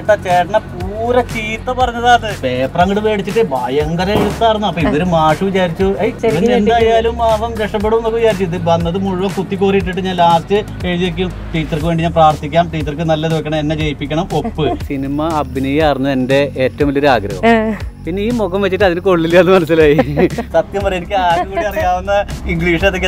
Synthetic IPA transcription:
ʈːɐt͡ɕeːʈɐɳɐpuːɾɐt͡ɕiːt̪ːɐpɐrɐɲːɐðaːðɨbe̞ːprɐŋːɐɭɨʋe̞ːɽit͡ɕːiʈːɨbaːjɐɐŋɡɐɾɐiɽut̪ːaːɾunːuɐpːoiðoɾumaːʂuʋit͡ɕaːɾit͡ɕːuejend̪aːjaːlumːaːʋɐmdeʂʈɐp̬ːeɽumenːɐkɐʋit͡ɕaːɾit͡ɕːinːɨʋɐnːɐðɨmuɻuʋɐkut̪ːikːuːriiʈ̬ːiʈːɨɲaːnlaːstɨ | eɻðiik̬ʲːum | ʈiːt͡ɕːɐrk̬ɨʋeɳɖiɲaːnpraːrt̪ʰikʲːaːmʈiːt͡ɕːɐrk̬ɨnɐlːɐðuʋɐkʲːɐɳɐme̞nːe̞t͡ɕejipːikʲːɐɳɐmo̞pːɨsinimɐɐbʱinijaːrinːue̞nde̞eːtːɐʋɐmilːoɾaːɡɾɐ̰ʋɐmpinːe̞iːmoɣɐmʋet͡ɕːiʈːɨɐðinɨko̞ɭːiljɐɐnːɨmɐnɐsːilaːjisɐt̪jɐmpɐrɐjenikʲːɨaːɾukuːɽiɐrijaːʋunːɐiŋɡɭiːʂɐðokːe

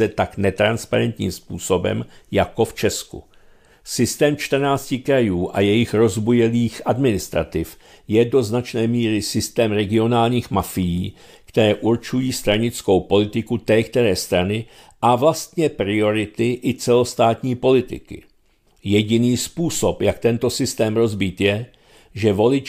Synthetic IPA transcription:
ɛt̪aknɛt̪ɾanspaɾɛnt̪ɲḭːmspuːso̞bɛ̰mjako̞ft͡ʃɛskṵ | sɪst̪ɛːmt͡ʃt̪r̩naːt͡scɪkɾajuːʔa̰jɛjɪxɾo̞zbujɛliːxʔadmɪnɪst̪ɾa̰t̪ɪf | jɛdo̞znat͡ʃnɛːmiːɾɪsɪst̪ɛːmɾɛɡɪo̞naːlɲiːxmafɪjiː | kt̪ɛɾɛːʔuɾt͡ʃujiːst̪ɾaɲɪt͡sko̞wpo̞lɪt̪ɪkut̪ɛːkt̪ɛɾɛːst̪ɾanɪ | ʔavlast̪ɲɛpɾɪo̞ɾɪt̪ɪʔɪt͡sɛlo̞st̪aːt̪ɲiːpo̞lɪt̪ɪ̰kɪ̰ | jɛɟɪniːspuːso̞pjakt̪ɛnt̪o̞sɪst̪ɛːmɾo̞zbiːt̪jɛ | ʒɛvo̞lɪt͡ʃ

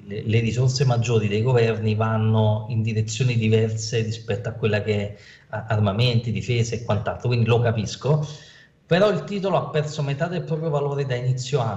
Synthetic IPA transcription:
leleɾizorsemad͡ʒːoːɾid̪ejɡovɛrnivanːoind̪iɾet̪sːjoːnid̪ivɛrseɾispɛt̪ːoakːwelːakeɛ | armament̪id̪ifeːzeːkːwant̪alt̪ɾokwind̪ilokapisko | peɾɔilt̪iːt̪oloapːɛrsomet̪aːd̪elpːɾɔːpɾjovaloːɾed̪ainit̪sːjoa

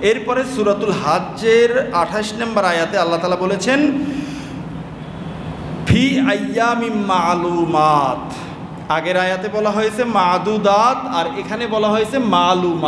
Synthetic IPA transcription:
eɾpɔɾesuɾat̪ulɦad͡ʒeɾaʈʰaʃnambaɾajat̪ealːat̪aːlabolet͡ɕʰen | fʰiɐjːamimmalumat̪ | aɡeɾajat̪ebɔlaɦojet͡ɕʰemad̪ud̪at̪aɾekʰanebɔlaɦojet͡ɕʰemaluma

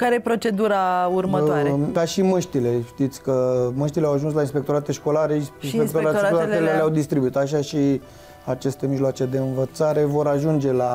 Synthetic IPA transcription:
kaɾejepɾo̞t͡ʃe̞d̪uɾaurməoaɾed̪aʃiməʃt̪ile̞ʃt̪it̪sʲkəməʃt̪ileawaʒuns̬lainspekt̪o̞ɾat̪e̞ʃko̞laɾe̞inspekt̪oɾaekolat̪eleleawd̪ist̪ɾibuit̪aʃ̬aʃi | at͡ʃe̞st̪e̞miʒloat͡ʃe̞d̪e̞ɨnvət̪saɾe̞vo̞ɾaʒund͡ʒe̞la

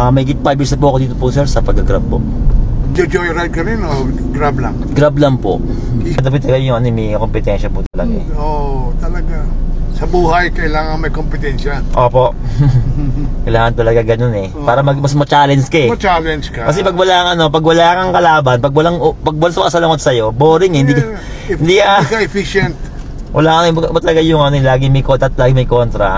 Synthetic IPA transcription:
ɐmɐhiːɡɪt̪̚fajbjiːɹsɐpʊʔɐkoiːt̪opʊsɛɾsɐpɐɡɐɡɾa̰b̚po̰ | d͡ʒɐd͡ʒojɾajd̪̚kɐɾɪno | ɡɾablɐŋɡɾablɐŋpo̰ʔ | ɐd̪ɐpɪt̪ːɐlɐɡajʊŋɐnomɛɐkompɪt̪ɛnʃɐpʊt̪ɐlɐɡa | oʔt̪ɐlɐɡasɐbuːɦɐjkɐɪlaːŋɐŋmɐjkompɪt̪ɛnʃɐʔoːpo̞ʔ | kkɐjlaːŋɐnt̪ɐlɐɡaɡɐno̞nɛ | paːɾɐmɐɡmɐsmɐt͡ʃaːlɛnd͡ʒkɐɛɐt͡ʃaːlɛnd͡ʒkɐkɐs̬ɛpɐɡwɐlaːɐŋʔɐno̞pɐɡwɐlakɐŋkɐlaːbɐnpɐɡwɐlaŋpɐɡ̚wɐlasmɐkɐsɐlɐŋot̪̚sɐjo̞boːɾɪŋhɪnd̪i | hɪnd̪ikɐkɐɛfiʃɛnt̪̚wʔɐ̰laːʔɐŋɪbʔɪbat̪ɐlɐɡajʊŋʔɐnoɛlaːɡɪmɐjkoɐt̪̚laːɡɪmɐjkont̪ɾɐ̰

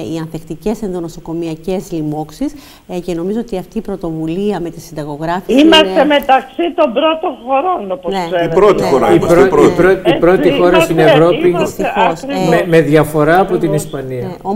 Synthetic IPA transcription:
iɐnθekt̪ice̞senðonoso̞ko̞miɐce̞zlimo̞ksis | ce̞no̞mizoot̪iɐft̪iːpɾo̞t̪o̞vuliɐme̞t̪isind̪ɐɣo̞ɣɾɐfiimɐst̪emet̪ɐksit̪o̞mbɾot̪oxo̞ɾonoponeseiɾot̪ixoɾaiɾopɾoipɾo̞t̪ixo̞ɾɐst̪ine̞vɾo̞ipimst̪ixosmeme̞ðʝɐfo̞ɾɐːpo̞t̪inispɐniɐo

